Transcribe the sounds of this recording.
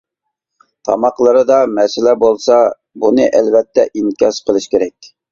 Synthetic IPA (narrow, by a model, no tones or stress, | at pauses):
t̪ʰɑmɑqlˠɨɾɨd̪ɑmɛsɪlɛbolˠsɑ | bunɨʔɛlvɛt̪ʰːɛʔiŋkʲɑʃqʰəlˠɨʃkʲʰeɾɛk̚ʲ